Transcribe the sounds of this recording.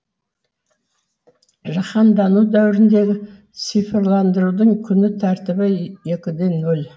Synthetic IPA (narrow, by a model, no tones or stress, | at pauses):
ʒɑχɑnd̪ɑnud̪æwɪɾɪnd̪e̞ɡʲɪ | sijfɪɾlˠɑnd̪əɾud̪əɴkʲʰʏnɪt̪ʰæɾt̪ɪbɪje̞kʲɪd̪e̞nːɵl